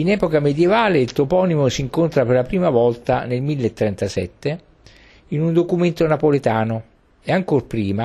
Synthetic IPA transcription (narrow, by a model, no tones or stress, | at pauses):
inɛːpokamed̪jevaːleilt̪opɔːnimosiŋkont̪ɾaperlapɾiːmavɔlt̪anelmilːet̪ːɾɛnt̪asɛ̰t̪ːe | inund̪okument̪onapolet̪aːno | eaŋkorpɾiːma